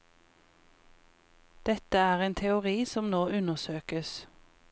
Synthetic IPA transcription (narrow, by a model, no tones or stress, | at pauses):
d̪̥ɛt̪əæːʁeːnt̪ʰɛʊʁiːsɔmnoːʉnəʁsøːkəs